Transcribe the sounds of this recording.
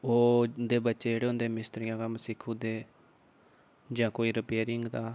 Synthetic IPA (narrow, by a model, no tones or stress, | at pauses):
oːd̪eːbətːʃeːd͡ʒeːɽeːʊ̃nd̪eːmɪst̪ɾɪjãːkəmsɪkʰːũːd̪eː | d͡ʒãːkoːiːɾəpeːɾɪŋɡd̪aː